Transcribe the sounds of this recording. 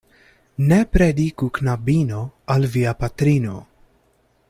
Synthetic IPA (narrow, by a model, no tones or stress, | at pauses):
nɛpɾɛd̪iːkuknɐbːiːnoɐlviːjɐpɐt̪ɾiːno̰